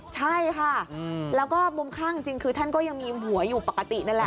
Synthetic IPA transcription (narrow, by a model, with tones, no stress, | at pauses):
t͡ɕʰa˥˩jkʰa˥˩lɛː˦˥wkɔː˥˩mo˧mkʰaː˥˩i˧ŋt͡ɕi˧ŋkʰɯː˧t̪ʰa˥˩nkɔː˥˩ja˧ŋmiː˧ɦu˩˦ɐjuː˨˩pa˨˩ka˧˩t̪i˨˩na˥˩lɛ˨˩